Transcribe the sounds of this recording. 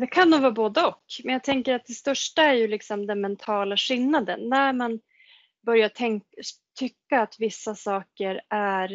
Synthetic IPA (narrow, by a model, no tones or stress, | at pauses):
d̪ɛkʰanːuːɡvɑːboːd̪əɔkmɛnjɑːt̪ʰɛŋkəɾat̪̚d̪ɛst̪œʂʈaæɾjɵlɪksɔmd̪ɛnmɛnt̪ʰɑːlaɧɪlːad̪ə̰nːæɾman | bœɾjatʰɛŋ | t̪ʰʏkːaːt̪vɪsːasɑːkəɾæɾ